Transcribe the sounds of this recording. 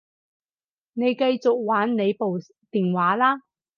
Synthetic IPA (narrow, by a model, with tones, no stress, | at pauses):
ne˨˧jkɐ˧jt͡sʊ˨k̚waː˨˥nne˨˧jpo˨w | t̪iː˨nwaː˨˥laː˥